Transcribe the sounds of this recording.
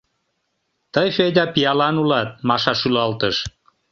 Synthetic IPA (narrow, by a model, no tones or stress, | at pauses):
t̪əjfed̪ʲɑpiɑlɑnulɑt̪̚mɑʃɑʃylɑlt̪əʃ